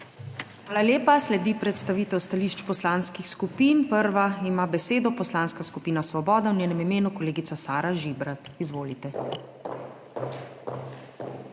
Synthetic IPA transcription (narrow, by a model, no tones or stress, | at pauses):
xʋaːlaljeːpaslɛd̪ipɾɛt̪st̪aʋiːt̪ɛwst̪aliʃt͡ʃpɔslanskixskupiːnpəɾʋaimaːbɛseːd̪ɔpɔslanskaskupiːnasʋɔbɔːd̪awnɲjeːnɛmimeːnukɔleːɡit̪sasaːɾaʒibɾat̪izʋoːlit̪ɛ